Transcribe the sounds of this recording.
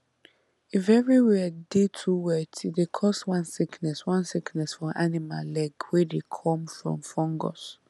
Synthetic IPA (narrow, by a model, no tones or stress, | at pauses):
ivɛɹiwɛadetʰuwɛtidekʰɔswãnsiknɛswãnsiknɛsfɔʔanima̰llɛɡwɛdekʰɔ̃mfɹɔ̰̃mfɔ̃ŋɡɔ̰s